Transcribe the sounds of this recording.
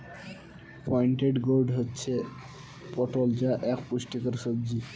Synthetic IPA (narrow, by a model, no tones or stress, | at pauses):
pɔjɳʈeɖɡoɾɖɦotːɕʰe | pɔʈold͡ʑaʔɛkpuʃʈikaɾʃobd͡ʑi